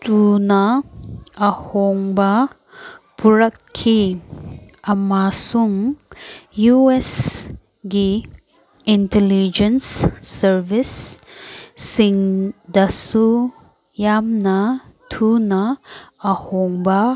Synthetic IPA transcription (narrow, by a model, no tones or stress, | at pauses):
tʰunɐː | hoŋbɐ | puɾɐkʰːi | ɐmasuŋ | jues | ɡi | intelid͡ʒensːɐɾbisː | iŋdɐsu | jamnɐtʰunɐː | hoŋbɐ